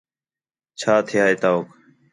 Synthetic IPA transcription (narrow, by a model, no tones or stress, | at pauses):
t͡ʃʰaːt̪ʰɪjaːeːt̪aːoːk